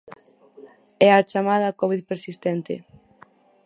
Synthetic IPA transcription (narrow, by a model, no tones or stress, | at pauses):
ɛat͡ʃamaðɐkɔβiðpeɾsist̪ɛnt̪ɪ̰